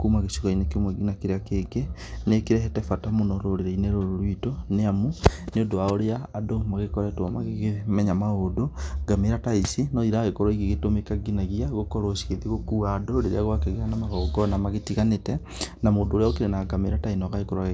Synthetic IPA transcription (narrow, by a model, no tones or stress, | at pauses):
kumaɣesuɣainekemwɛɡinakeɾeakeɡenekeɾɛɦɛtɛfatamonɔɾoɾeɾeineɾoɾoɾwitoneamuneodoaoɾeaːdomaɣekɔɾɛtwamaɣeɣemɛɲamaoːdoɡameɾataisinɔiɾaɣekɔɾwaiɣeɣetomekaɡinaɣiaɣokɔɾosiɣeðiɣokuːaːdoɾeɾḛaɣwakeɣeanamaɣɔɡɔnamaɣetiɣanetɛ | namoːdoːɾeaokeɾenaɡameɾatainɔɣaekɔɾwa